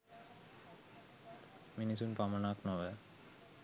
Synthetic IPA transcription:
minisunpamanaːknɔʋɛ

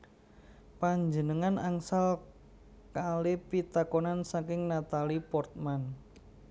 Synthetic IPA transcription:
paɲd͡ʒənəŋanʔaŋsal | kalepit̪akonansakɪŋnat̪alipɔrt̪̚man

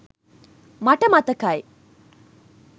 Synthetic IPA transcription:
maʈəmat̪əkaj

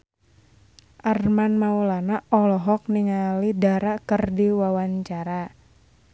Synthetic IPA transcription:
ʔarmanmaulanaʔɔlɔɦɔk̚niŋalidaɾakərdiwawaɲt͡ʃaɾa

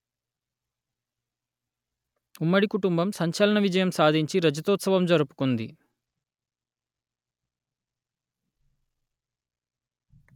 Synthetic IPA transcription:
umːɐɽikuʈumbɐmsɐɲt͡ʃɐlɐɳɐʋid͡ʒɐjɐmsaːd̪ʱiɲt͡ʃiɾɐd͡ʒɐt̪ɔːt̪sɐʋɐmd͡ʒɐɾupu̥kund̪ḭ

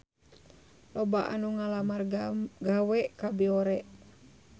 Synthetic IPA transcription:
lɔbaʔa̰nuŋalamarɡawɛʔkabiɔɾɛʔ

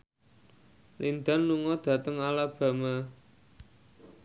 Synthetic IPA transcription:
lind̪anːuŋɔd̪̥ä̤t̪əŋalab̥a̤ma

